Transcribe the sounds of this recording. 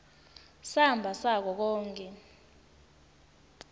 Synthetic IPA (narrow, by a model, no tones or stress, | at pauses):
sambʱasak̬ɔk̬ɔːŋkʼɛ